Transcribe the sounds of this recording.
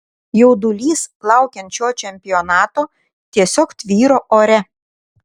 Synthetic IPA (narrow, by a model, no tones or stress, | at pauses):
jɛʊd̪ʊlʲiːsplˠɑˑʊkʲɛnʲt͡ʃʲoːt͡ʃʲɛmʲpʲɪjɔnɑːt̪oː | t̪ʲiɛsʲoːkt̪ʲʋʲiːɾoːʔoːɾʲɛ